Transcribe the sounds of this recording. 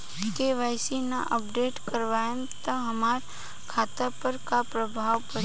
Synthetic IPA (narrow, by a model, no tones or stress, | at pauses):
keʋaːjsinːa̰ʔəp̚ɖeːʈkəɾʋaːjẽmt̪əɦɐmaːɾ | kʰaːt̪apəɾkapɾəbʱaːʋpəɾ